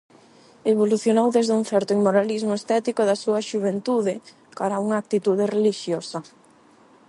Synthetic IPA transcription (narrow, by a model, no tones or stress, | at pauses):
eβ̞oluθjonowðezðuŋθɛɾt̪oimoɾalizmoest̪ɛt̪ikoðɐsuɐʃuβent̪uðɪ | kaɾauŋɐaːk̚t̪it̪uðereliʃjosɐ